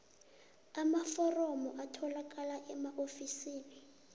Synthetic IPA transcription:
amafɔrɔmɔʔatʰɔlak̬ʼalaʔɛmaʔofisiːni

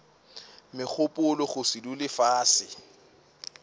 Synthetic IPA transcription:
mɪk͡xʰʊpʼʊlʊχʊsidulɪfaːsɪ

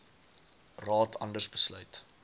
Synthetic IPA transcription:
rɑːtɐ̰ndərsbəslœɥt

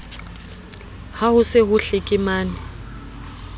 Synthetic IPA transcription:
hahʊsɪɦʊɬɪkʼɪmaːnɪ

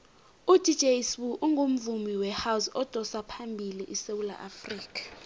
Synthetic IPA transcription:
udʱi̥d͡ʒʱejswuʔuŋʱom̩vumiwɛhawusɔd̥ʱɔsapʰambʱiliʔisewula̰ʔafriːkʰḁ

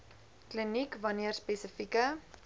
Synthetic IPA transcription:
klinikvɐniərspesəfikə

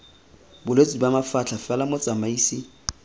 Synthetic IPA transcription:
bʊlet͡sʼibamafat͡ɬʰafɛlamʊt͡sʼamaiːsɪ

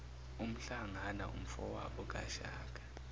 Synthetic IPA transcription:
um̩ɬaŋana̰ṵm̩fɔwaɓɔk̬ʼa̰ʃaːk̬ʼḁ

